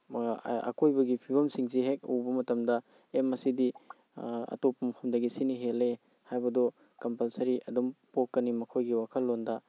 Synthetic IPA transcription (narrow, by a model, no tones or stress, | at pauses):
ɐ̰kojbɐɡipʰibɐmsiŋsiɦek̚ṵwbɐmɐtɐmdɐ | emɐsidi | ɐ̰topːɐmkʰɐmdɐɡisiniɦele | hajbɐdɔ | kɐmpɐlsɐɾiʔɐdumpokːɐnimɐkʰojɡiwakʰɐlːondɐ